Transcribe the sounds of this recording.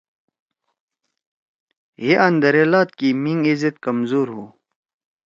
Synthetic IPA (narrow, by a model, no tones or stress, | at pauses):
ɦiʔɐnd̪ɐɾeːlaːt̪̚kimiŋɡizet̪kɐmzuːɾɦu